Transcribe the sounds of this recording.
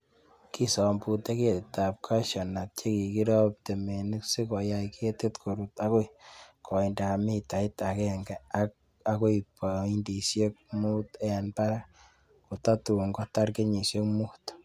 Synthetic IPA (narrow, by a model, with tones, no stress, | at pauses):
ki˦sɔ˨mpu˨te˦ke˦tta˨p̚kʰa˦ʃɔ˨na˨t̚t͡ʃe˦ki˨ki˦ɾɔ˦p̚te˨me˨ni˦ksi˦kɔ˨ja˦ikʰe˦te˦tkʰo˨ɾuta˦ko˦ikʰɔ˨inda˨a˨mi˦ta˨ɪ˦ta˨kɛŋɡɛ˨ak | a˦ko˦i˨pa˨i˦ndi˨sje˦k̚mu˦tɛ˦a˨npa˦ɾa˦ | ko˨ta˦tu˨ŋɡɔ˦ta˦rke˦ɲi˨sje˦kmu˦t